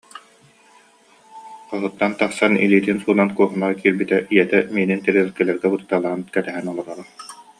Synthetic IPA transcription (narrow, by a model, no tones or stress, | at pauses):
qɔɦut̪ːant̪aχsanḭliːt̪insuːnankuɔɦunaʁkiːɾbit̪ɛʔijɛt̪ɛmiːnint̪ɛɾɛlkɛlɛɾɡɛbɯt̪ɯt̪ːaːlˠaʁɯnkɛt̪ɛɦɛnɔlˠɔɾɔɾɔ